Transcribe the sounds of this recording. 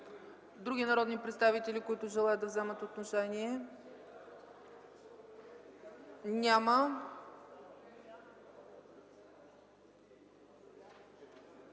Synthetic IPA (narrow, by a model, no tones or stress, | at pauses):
d̪ɾuɡʲinɐɾɔd̪nipɾɛt̪st̪avit̪ɛlikoit̪ʊʒɛlˠajətd̪ɐvzɛmət̪ot̪noʃɛniɛ | nʲamə